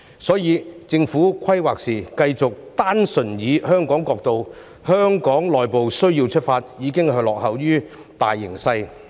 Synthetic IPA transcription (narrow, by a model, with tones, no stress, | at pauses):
sɔː˨˥jiː˨˧t͡sɪ˧ŋfuː˨˥kʷʰɐ˥jwaː˨k̚siː˨˩kɐ˧jt͡sʊ˨k̚t̪aː˥nsɵ˨˩njiː˨˧hœː˥ŋkɔː˨˥ŋkɔː˧k̚t̪o˧w | hœː˥ŋkɔː˨˥ŋlɔː˨jpo˨wsɵ˥ɥjiː˧wt͡ʃʰɵ˥t̚faː˧t̚jiː˨˧kɪ˥ŋhɐ˨˧lɔː˨k̚hɐ˨wjyː˥ | t̪a̰ː˨jːɪ˨˩ŋsɐ˧j